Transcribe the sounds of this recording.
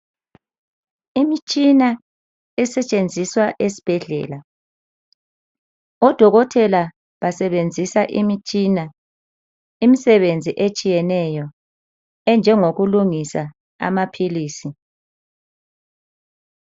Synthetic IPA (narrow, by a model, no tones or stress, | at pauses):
imit͡ʃʼina | ɛsɛt͡ʃʼend͡zʱiswaʔesi̥b̥ʱɛɮɛ̰ːla | ɔd̥ʱɔɣɔtʰɛla | βasɛβend͡zʱisaʔimit͡ʃʼina | imisɛβend͡zʱiʔet͡ʃʼijɛnɛjɔ | ɛnd͡ʒʱɛŋoɣuluŋisa | a̰mapʰiliːsi